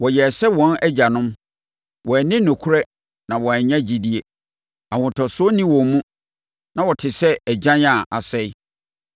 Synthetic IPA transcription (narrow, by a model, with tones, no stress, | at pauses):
wɔ˨jɛ˨sɛ˦wɔ̃˨˦nɛ˦d͡ʑa˨nʊ̃˦m | wɔ˨ɛ˨nɪ̃˦nʊ̃˨kʰu˦ɾɛ˦ | nã˨wɔ˨ɛ˨ɲã˦d͡ʑi˨di˦e˨ | a˨wʊ̃˨tʰɔ˨sʊ˦ɔ˦nĩ˦wɔ̃˨mũ˦ | nã˨wɔ˨tʰɪ˨sɛ˦ɛ˨d͡ʑã˦ɲã˨ʔa˨sɛ˦i˦